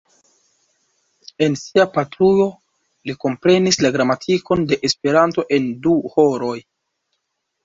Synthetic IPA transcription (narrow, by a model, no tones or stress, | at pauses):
e̞nsiapatɾujo̞ | liko̞mpɾe̞nislaɡɾamatʰiko̞nde̞ʔespe̞ɾanto̞ʔe̞nduho̞ɾo̞j